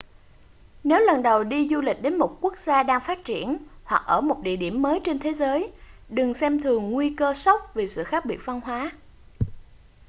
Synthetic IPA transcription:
ne˨˦wlə˨˩nɗə˨˩wɗi˧zu˧lï˨˩k̟̚ɗe˨˦nmo˨˩t̚ku˦˥ək̚zaː˧ɗaː˧ŋfaː˦˥t̚t͡ɕi˧˩ənhwa˨˩k̚ʔəː˧˩mo˨˩t̚ɗḭ˧˨ɗi˧˩əmːəː˨˦jt͡ɕe˧nt̪ʰe˨˦zəː˨˦jɗɨ˨˩ŋsɛ˧mt̪ʰɨ˨˩əŋːwi˧kəː˧sə˦˥wk͡p̚vi˨˩sɨ̰˧˨xaː˦˥k̚ɓi˨˩ət̚va˧nɦwaː˨˦

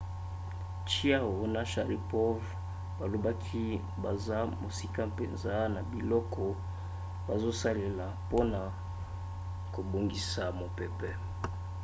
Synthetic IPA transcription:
t͡ʃi˦a˦wo˨na˦ʃa˨ʁi˨pɔ˦v | ba˨lo˨ba˦kʰi˦ | ba˨za˦mo˨si˦ka˦pe˨nza˦na˨bi˨lɔ˦kɔ˦ | ba˨zo˦sa˦le˨la˨po˦na˨ | ko˨bo˨ŋɡi˦sa˨mo˨pe˨pɛ˨

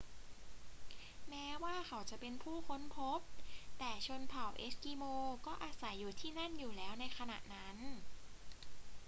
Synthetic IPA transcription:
mɛː˦˥waː˥˩kʰa˨˩˦wt͡ɕa˨˩pe˧npʰuː˥˩kʰo˧˥npʰo˦˥p̚t̪ɛː˨˩t͡ɕʰo˧npʰa˨˩wʔeː˦˥skiː˧moː˧kɔː˥˩ʔaː˧sa˩˦jːuː˨˩t̪ʰiː˥˩na˥˩njuː˨˩lɛː˦˥wna˧jkʰa˧na̰˨˩ʔna˦˥n

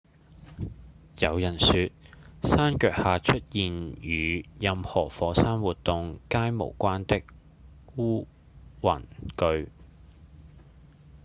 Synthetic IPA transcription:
jɐ˨˧wjɐ˨˩nsyː˨˧t̚saː˥nkœː˧k̚haː˨t͡ʃʰɵ˥t̚jiː˨njyː˨˧jɐ˧mhɔː˨˩fɔː˨˧˥saː˥nwuː˨t̪ːʊ˨ŋkaː˥jmo̰˨˩wkʷaː˥nt̪ɪ˥k̚ | wuː˥ | wɐ̰˨˩nkɵ˧ɥ

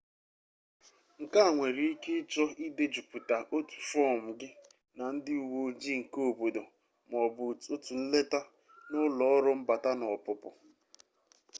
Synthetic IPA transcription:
ŋ̩˨ka˦a˨ŋʷe˨ɾi˨i˦ke˦t͡ʃɔ˦i˦de˦d͡ʒu˨pu˨ta˨ʔo˦tu̥˨fɔ˦m̩˨ɡɪ˦ | na˨n̩˦dɪ˦u˦˨wo˦d͡ʒi˦˨ŋ̩˨ko˦˨bo˨do˨ | m˨ɔ˨bʊ˨to˦tu˨n̩˦le˦ta˦ | nʊ˦lɔ˨˦ɾʊ˦m̩˦ba˨ta˦nɔ˨pʊ˨pʊ˨

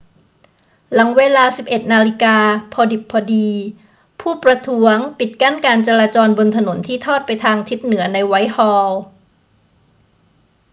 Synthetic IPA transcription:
la˩˦ŋweː˧laː˧si˨˩p̚ʔe˨˩t̪̚naː˧li˦˥kaː˧pʰɔː˧di˨˩pʰːɔː˧diː˧ | pʰuː˥˩pɾa˧t̪ʰu˦˥əŋpi˨˩t̪̚ka˥˩nkaː˧nt͡ɕa˧ɾaː˧t͡ɕɔː˧nbo˧nt̪ʰa˧no˩˦nt̪ʰiː˥˩t̪ʰɔː˥˩t̪̚pa˧jt̪ʰaː˧ŋt͡ɕ̪ʰi˦˥t̪̚nɯ˩˦ɐna˧jwa˦˥jhɔː˧w

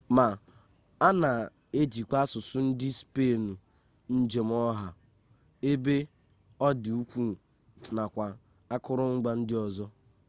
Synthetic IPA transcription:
ma˨ | a˦na˨ | e˦d͡ʒi˨kʷa˦sʊ˨sʊ˦n̩˦dɪ˦spe˦˨nu˨ | n̩˦d͡ʒe˨m̩˦ɔ˦ɦa˨ | e˦be˦ | ɔ˦dɪ˨u˦kʷu˦ | na˨kʷa˨ | a˦kʊ˦ɾʊ˦ŋ̩˦ɡ͡ba˦n̩˦dɪ˦ɔ˨zɔ˦

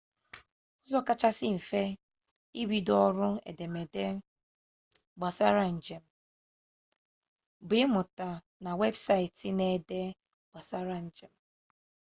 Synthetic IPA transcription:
ɔ˦zɔ˦ka˦t͡ʃa˦sɪ˦ɱ̩˨fe˦ | i˦wi˦dɔ˦ɾʊ˦ḛ˨de˨me˨de˦ | ɡ͡ba˨sa˦ɾa˦n̩˨d͡ʒe˨m̩˨ | bɪ˨˦mʊ˨ta˨ | na˨we˦bsa˦ɪ˨tɪ˦ne˨de˦ | ɡ͡b̥a˨sa˦ɾa˦n̩˨d͡ʒe˨m̩˨˦

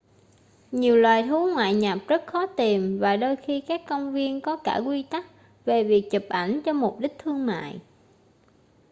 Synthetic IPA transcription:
ɲi˨˩əwlwaː˨˩jt̪ʰu˨˦ŋwa̰ː˧˨jɲa˨˩p̚zə˦˥t̚xɔ˨˦t̪i˨˩mvaː˨˩ɗoː˧jxi˧kaː˦˥kːə˧wŋ͡mvi˧ənkɔ˨˦kaː˧˩kwi˧t̪a˦˥k̚ | ve˨˩vi˨˩ək̚t͡ɕɨ˨˩p̚ʔa˧˩jŋ̟t͡ɕɔ˧mʊ˨˩k͡p̚ɗi˦˥k̟̚t̪ʰɨ˧əŋma̰ː˧˨j

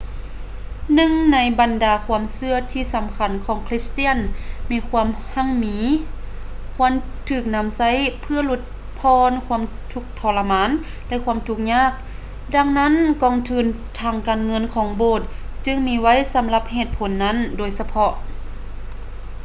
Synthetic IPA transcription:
nɯ˧ŋna˧˥jba˨ndaː˨˩kʰu˧˥əmsɯ˧ɐt̪ʰiː˧˩sa˨˦mkʰa˧˩nkʰɔː˨˩˦ŋkʰli˧˥st̪i˧˥ə˨nmiː˧˩kʰu˧˥əmha˧˥˨ŋmiː˨˧˦ | kʰu˧˥əm | t̪ʰɯː˧˩k̚na˧˥˨msa˧˥˨jpʰɯ˧ɐlu˧˩t̪̚ | pʰɔː˧˥nkʰu˧əm | t̪ʰu˧˩k̚t̪ʰɔː˧˩lːa˧maː˧˥˨n | lɛ˧ʔkʰuː˧əmt̪ʰu˧˩k̚ɲaː˧˥˩k̚ | da˧ŋna˦˥˨nkɔː˧˩ŋt̪ʰɯː˧˩n | t̪ʰaː˧˩ŋkaː˨˩nŋɤ˧˥˨nkʰɔː˨˦ŋboː˧˩t̪̚ | t͡ɕɯ˧ŋmiː˧˥˧wa˧˥˨jsa˨˦mla˧˦p̚heː˧˩t̪̚pʰo˨˦nːa˧˥˨ndoː˨˩jsa˧pʰɔ˧ʔ

